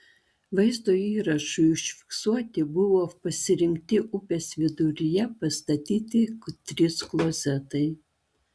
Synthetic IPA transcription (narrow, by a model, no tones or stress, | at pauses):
ʋɐɪzd̪oiːɾɐʃʊjʊʃʲfʲɪ̥ksuɔt̪ʲɪbʊʋoːpɐsʲɪɾʲɪŋʲk̚ʲt̪ʲɪʔʊpʲeːsʲʋʲɪd̪ʊɾʲɪjɛpɐst̪ɐt̪ʲiːt̪ʲɪkt̪ʲɾʲɪsklˠɔzʲɛt̪ɐɪ